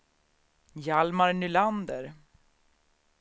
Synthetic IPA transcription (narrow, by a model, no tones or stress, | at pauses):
jalmaɾnʏland̪əɾ